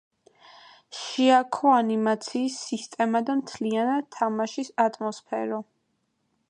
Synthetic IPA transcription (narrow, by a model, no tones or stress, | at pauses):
ʃiakʰɔanimat̪sʰiːsːist̪ʼɛmad̪amt̪ʰlianad̪̚t̪ʰːamaʃisat̪ʼmɔspʰɛ̰ɾɔ